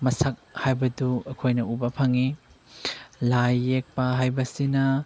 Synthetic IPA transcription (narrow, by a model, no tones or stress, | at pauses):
mɐsɐk̚hajbɐduɐkʰojnɐubɐpʰɐŋi | lajːek̚paɦajbɐsinɐ